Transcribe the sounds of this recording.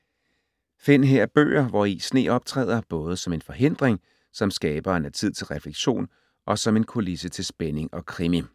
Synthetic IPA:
fe̝n̰ɦeɐb̥ø̰ːɐʋɒisne̝̰ːɒ̽b̥t͡sʰʁɛ̰ːð̰ˠɐb̥ɔ̽ːð̞ˠəsɒ̽me̝nfɒ̽ɦe̝n̰d̥ʁeŋ | sɒ̽msɡ̥ɛːb̥ɐenæt͡sʰið̞̰ˠt͡sʰe̝lʁɛfleɡ̥ɕo̝̰ːn | ʔɒ̽sɒ̽me̝nkʰo̝lisət͡sʰe̝lsb̥ene̝ŋɒ̽kʰʁimi

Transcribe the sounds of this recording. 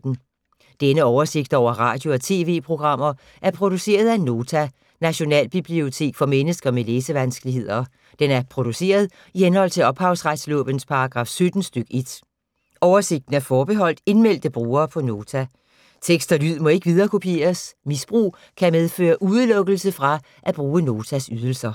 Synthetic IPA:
n̩ | d̥enəɒʊɐse̝ɡ̥̚d̥ɒʊ̰ɐʁɑ̰̈ːd̥jo̝ɒ̽t͡sʰe̝̰ːʋe̝̰ːpʰʁo̝ɡ̥ʁɑ̈m̰ɐ | ʔæɐpʰʁo̝d̥use̝̰ːɐð̞ˠæno̝ːt͡sʰæ | næɕo̝nɛ̰ːlb̥ib̥lio̝t͡sʰe̝̰ːɡ̥fɒ̽menəsɡ̥ɐmeleːsəʋænsɡ̥əliɦe̝ð̞̰ˠɐ | d̥enæɐpʰʁo̝d̥use̝̰ːɐð̞ˠ | ihenhɒ̽l̰t͡sʰe̝lɒ̽b̥hɑ̈ʊsʁad̥slɔ̰̽ːb̥ənspʰɑ̈ɑ̈ɡ̥ʁɑ̈ːfsød̥n̩sd̥øɡ̥e̝d̥ | ɒʊɐse̝ɡ̥̚d̥n̩æɐfɒːb̥e̝ɦɒ̽l̰d̥e̝nmel̰d̥əb̥ʁuːɐːpʰɒ̽no̝ːt͡sʰæ | t͡sʰeɡ̥sd̥ɐlyð̰ˠmɒ̽e̝ɡ̥əʋið̞ˠɐːkʰo̝pʰe̝̰ːɐsmisb̥ʁṵː | kʰæmeð̞ˠfø̰ːɐʔuðˠlɔ̽ɡ̥l̩səfʁɑ̈ | ʔæb̥ʁuːəno̝ːt͡sʰæsyð̞ˠl̩sɐ

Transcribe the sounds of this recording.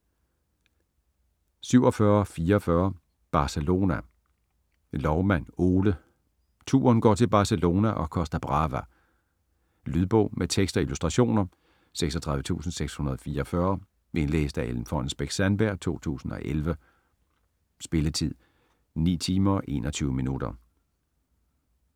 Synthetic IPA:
syʊɒ̽fɶːɐfiːɐfɶɐ | b̥ɑ̈selo̝ːnæ | lɒʊmæn̰o̝ːlə | t͡sʰṵːɐnɡ̥ɒ̰ːt͡sʰe̝lb̥ɑ̈selo̝ːnæʔɒ̽kʰɒ̽sd̥ɐb̥ʁɑ̈ʋæ | lyðˠb̥ɔ̰̽ʊ̰mʔet͡sʰeɡ̥sd̥ɒilusd̥ʁɑ̈ɕo̝̰ːnɐ | seɡ̥sɒt͡sʰʁɑ̈ðʋə̥t͡sʰṵːsn̩seɡ̥shunɐð̞̩ˠɒ̽fiːɐːfɶɐ | ʔe̝nlḛːsd̥æʔeln̩fɒnsb̥eɡ̥sænb̥æɐ̰t͡sʰo̝̰ːt͡sʰṵːsn̩ɒ̽ʔelʋə | sb̥e̝lət͡sʰið̰ˠ | nḭːt͡sʰiːmɐːʔe̝̰ːnʔɒt͡sʰyːʊəminud̥ɐ̰

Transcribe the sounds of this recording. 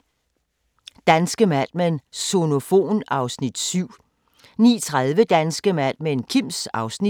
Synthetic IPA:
d̥ænsɡ̥əmæd̥menso̝no̝fo̝̰ːnɑ̈ʊsnid̥syʊ̰ | nḭːt͡sʰʁaðˠʋəd̥ænsɡ̥əmæd̥menkʰim̰sɑ̈ʊsni

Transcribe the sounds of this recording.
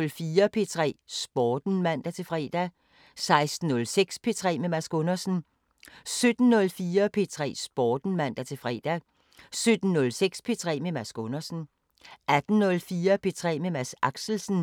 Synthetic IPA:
lfiːɐpʰe̝t͡sʰʁɛ̰ːsb̥ɒːd̥n̩mæn̰d̥æt͡sʰe̝fʁɛ̰ːd̥æ | sɑ̈ɪsd̥n̩ːɔ̽lseɡ̥spʰe̝t͡sʰʁɛ̰ːmemæsɡ̥ɔ̽nɐsn̩ | sød̥n̩ːɔ̽lfiːɐpʰe̝t͡sʰʁɛ̰ːsb̥ɒːd̥n̩mæn̰d̥æt͡sʰe̝fʁɛ̰ːd̥æ | sød̥n̩ːɔ̽lseɡ̥spʰe̝t͡sʰʁɛ̰ːmemæsɡ̥ɔnɐsn̩ | æd̥n̩nɔ̽lfiːɐpʰe̝t͡sʰʁɛ̰ːmemæsɑ̈ɡ̥sl̩sn̩

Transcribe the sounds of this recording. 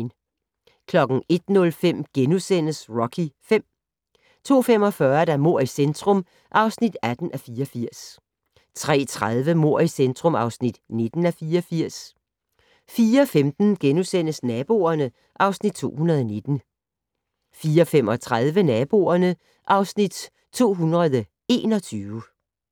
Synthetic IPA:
n | kʰlɒ̽ɡ̥n̩e̝d̥nɔ̽lfem̰ɡ̥enusen̰əsʁɒ̽kʰifem̰ | t͡sʰo̝̰ːfem̰ɒ̽fɶɐd̥æmo̝ɐ̰isend̥ʁɔ̽m | ʔɑ̈ʊsnid̥æd̥n̩ʔæfiːɒfiɐ̰s | t͡sʰʁɛ̰ːt͡sʰʁaðˠʋəmo̝ɐ̰isend̥ʁɔ̽mɑ̈ʊsnid̥ne̝d̥n̩æfiːɒfiɐ̰s | fiːɐfemd̥n̩ɡ̥enusen̰əsnɛːb̥o̝̰ːɐnə | ʔɑ̈ʊsnid̥̚t͡sʰo̝̰ːhunɐð̞ˠɒne̝d̥n̩ | fiːɐɒfem̰ɒ̽t͡sʰʁað̞ˠʋənɛːb̥o̝̰ːɐnə | ʔɑ̈ʊsnid̥̚ | t͡sʰo̝̰ːɦunʁɐðˠə | e̝̰ːnɒ̽t͡sʰyːʊə

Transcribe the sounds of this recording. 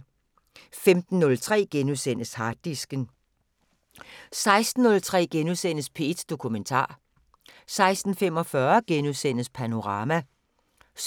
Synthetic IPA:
femd̥n̩ːɔ̽lt͡sʰʁɛ̰ːɡ̥enuðˠsen̰əshɑ̈ːd̥̚isɡ̥ən | sɑ̈ɪsd̥n̩ːɔ̽lt͡sʰʁɛ̰ːɡ̥enusen̰əspʰe̝d̥d̥o̝kʰument͡sʰɑ̰̈ː | sɑ̈ɪsd̥n̩fem̰ɒ̽fɶɐɡ̥enuðˠsen̰əspʰæno̝ʁɑ̈ːmæ | s

